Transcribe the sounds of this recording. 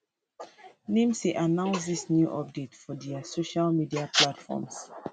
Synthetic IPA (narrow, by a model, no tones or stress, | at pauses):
nĩmsiʔanãʊ̃ns̬disnjuʔɔp̚detfɔdɛasoʃalmidiaplatfɔ̰ms